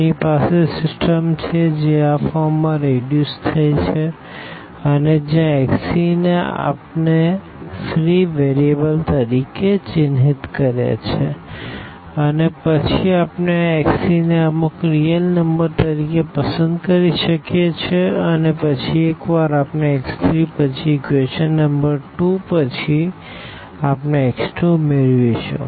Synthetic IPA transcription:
nipasesɪsʈəmt͡ʃʰed͡ʒeafɔɾːãɾeɖjust̪ʰːəjt͡ʃʰe | əned͡ʒjãɛksinea̰pne | fɾiʋeɾiebəlt̪əɾiket͡ʃɪnɦit̪kəɾjḛt͡ʃʰe | ənepət͡ʃʰiapneːksineəmukɾijəlnəmbəɾt̪əɾikepəsənd̪kəɾiʃəkjet͡ʃʰeənepət͡ʃʰiekʋaɾapneekst̪ʰɾipət͡ʃʰiːkʋeʃənːəmbəɾʈupət͡ʃʰi | apneːksʈɾomeɭʋet͡ʃʰo̰

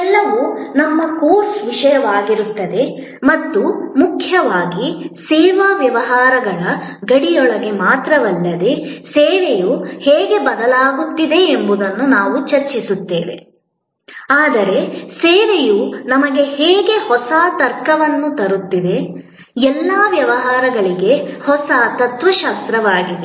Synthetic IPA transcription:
ɛlːɐʋunɐmːɐkoːɾsʋiʂɐjɐʋaːɡiɾut̪ːɐd̪e̞ | mɐt̪ːumukʰjɐʋaːɡisɛːʋaːʋjɐʋɐɦaːɾɐɡɐɭɐɡɐɽijɔɭɐɡe̞maːt̪ɾɐʋɐlːɐd̪e̞seːʋejuheːɡe̞bɐd̪ɐlaːɡut̪ːid̪e̞ːmbud̪ɐnːunaːʋut͡ʃɐɾt͡ʃisut̪ːeːʋe̞̰ | aːd̪ɐɾe̞seːʋejunɐmɐɡe̞heːɡe̞hɔsaːt̪ɐɾkɐʋɐnːut̪ɐɾut̪ːid̪e̞ | ɛlːaːʋjɐʋɐɦaːɾɐɡɐɭiɡe̞hɔsat̪ɐt̪ʋɐʃaːst̪ɾɐʋaːɡid̪e

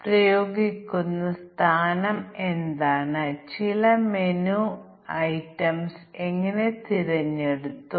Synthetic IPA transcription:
prɐjo̞ːɡikʲːunːɐst̪ʰaːnɐmend̪aːɳɨt͡ɕilɐmenu | ɐjʈːɐmse̞ŋːɐne̞t̪irɐɲːeɽut̪ːu

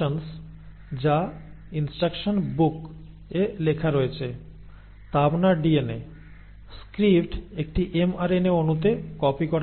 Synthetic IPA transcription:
ons | d͡ʑa | insʈɾakʃonbuk | elekʰaɾoet͡ɕʰe | t̪abnaɖiene | skɾipʈek̚ʈiʔemaɾeneonut̪̬ekɔpikɔɾ

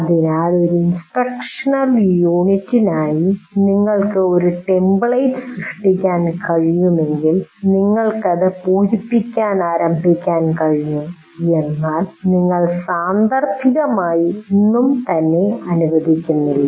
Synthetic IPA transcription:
ɐðinaːlo̞ɾuinspekʂɐnɐljuːɳitːinaːjiniŋːɐɭkɨo̞ɾuʈe̞mbɭɐjtɨsrɨʂʈikʲːaːnkɐɻijumeŋɡilniŋːɐɭkɐðepuːd͡ʑipːikʲːaːnaːɾɐmbʱikʲːaːnkɐɻijum | e̞nːaːlniŋːɐɭsaːnd̪ɐrt̪ʰiɣɐmaːjiinːumt̪ɐnːe̞ɐnuʋɐd̪ʱikʲːunːilːɐ

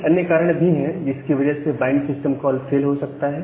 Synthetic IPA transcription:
ɐnjəkaːɾəɽ̃bʱiɦɛ̃d͡ʒɪskiʋɐd͡ʒəɦsebãːɳksɪsʈəmkɔːlfʰeːlɦosɐk̚t̪aɦɛː

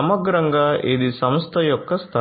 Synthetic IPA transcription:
ɐmɐɡɾɐŋɡaːʔid̪isɐmst̪ʰɐjɔkːɐst̪ʰa

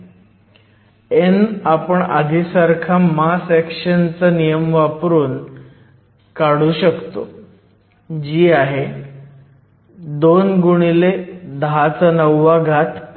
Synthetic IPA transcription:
enapəɳa̰d̪ʱisaɾkʰamasɛkɕənt͡sənijəmʋapɾuːn | kaɽuːɕəkt̪o̰ | d͡ʑiːaɦe | d̪onɡuɽ̃iled̪ɦat͡sənəʋːaɡʱat̪ʰ

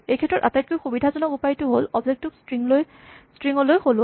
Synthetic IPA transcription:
ejkʰɛtɹɔta̰tajt̚kojxubidʱazɔnɔkupajtʊɦolɔbzek̚tuksiŋloj | stɹiŋɔlojxolʊa

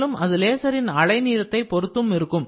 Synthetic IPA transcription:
lɯmʔɐðɯleːsɐɾɪnɐɭɐɪniːɾɐt̪ːɐɪpɔɾɯt̪ːɯmɪɾɯkːɯm

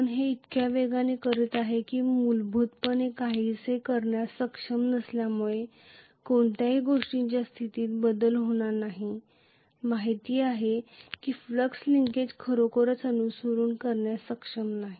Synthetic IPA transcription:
pəɳɦeit̪kjaʋeɡanekəɾət̪aɦekiːmulbʱut̪̚pənekaɦisekəɾɳjasəkʂəmnəsljamuɭe | koɳt̪jaɦiːɡoʂʈiɲt͡ɕjast̪ʰit̪iːt̪̚bəd̪əlɦoɽ̃aɾnaɦi | maɦit̪iːaɦekiːfləksliŋked͡ʑkʰəɾokəɾət͡sənusəɾuːnkəɾɳjasəkʂəmnaɦi

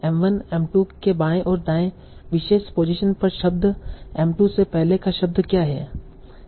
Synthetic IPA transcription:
ɛ̃ːmʋənɛ̃ːmʈukebaːẽʔɔːɾd̪ãːẽ | ʋɪʃeːʃpoːd͡ʒɪʃənpɐɾʃɐb̚d̪ɛ̃ːmʈusepɛɦlekaʃɐb̚d̪kjaːɦɛ̰ː

